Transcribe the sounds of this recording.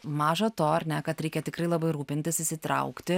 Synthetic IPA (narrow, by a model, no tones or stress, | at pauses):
mɑːʒɐt̪oːɐɾʲnʲɛkɐt̪ɾʲɛɪkʲɛt̪ʲɪkɾɐɪlˠɐbɐɪɾuːpʲɪnʲt̪ʲɪsisʲit̪ɾɐ̰ʊkt̪ʲɪ